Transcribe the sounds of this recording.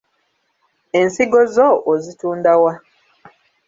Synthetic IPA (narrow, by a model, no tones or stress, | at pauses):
e̞nsiɡo̞zoʔozituːndawa